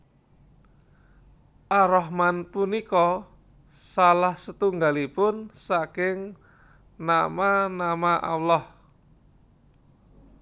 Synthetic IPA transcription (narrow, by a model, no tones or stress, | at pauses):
ʔaɾɔɦmanpunikɔ | salahsət̪uŋɡalipʊnsakɪŋ | namanamaʔa̰wlɔh